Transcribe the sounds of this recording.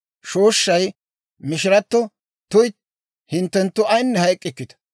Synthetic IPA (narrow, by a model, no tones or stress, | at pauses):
ʃo̞ːʃːɐj | mɪʃɪɾɐt̪ːɔ | t̪ʊj | hɪnt̪ːɛnt̪ːʊɐjnːɛhɐjkʼːɪkːɪt̪ɐ̥